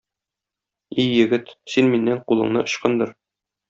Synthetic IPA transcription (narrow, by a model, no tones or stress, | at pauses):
ijɘ̆ɡɘt̪sinminːæɴqulˠɤ̆ɴnɤ̰ʔŏɕqɤnd̪ɤɾ